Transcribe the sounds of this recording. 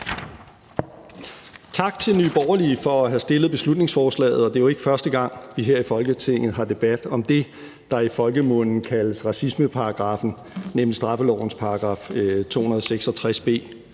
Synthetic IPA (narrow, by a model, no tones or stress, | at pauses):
t͡sʰɑ̈ɡ̥t͡sʰe̝lny̰ːb̥ɒʊɐlifɒ̽æɦæsd̥e̝lð̩ˠb̥e̝slud̥ne̝ŋsfɒːslɛ̰ːð̞̩ˠɒ̽d̥e̝ʋoe̝ɡ̥fɶɐsd̥əɡ̥ɑ̈ŋ̰ʋiɦeɐ̰ifɒ̽lɡ̥ət͡sʰe̝ŋ̰ð̩ˠɦɑ̈d̥e̝b̥æd̥ɒ̽md̥e̝ | d̥ɑ̈ifɒ̽lɡ̥əmɔ̽n̰n̩kʰæləsʁɑ̈sisməpʰɑ̈ɑ̈ɡ̥ʁɑ̈fn̩ | nemlisd̥ʁɑ̈fəlɒ̰ʊ̰n̩spʰɑ̈ɑ̈ɡ̥ʁɑ̈ːft͡sʰo̝̰ːhunɐð̞ˠseɡ̥sɒ̽t͡sʰʁasb̥e̝̰ː